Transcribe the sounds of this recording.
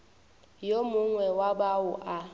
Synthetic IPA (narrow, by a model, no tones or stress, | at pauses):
jomʊŋwɛwabaʊʔa